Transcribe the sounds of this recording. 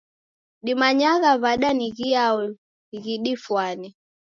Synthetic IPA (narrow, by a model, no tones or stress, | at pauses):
ɗimaɲaɣaβaɗaniɣiaɔ | ɣiɗifwani